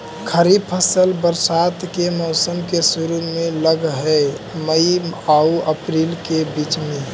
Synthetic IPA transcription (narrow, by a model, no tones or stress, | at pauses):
kʰəɾib̚pʰəsəlbəɾsat̪kemɔʊsəmkesʊɾumẽləɡɦɛ | məiauəpɾilkebit͡ʃmẽ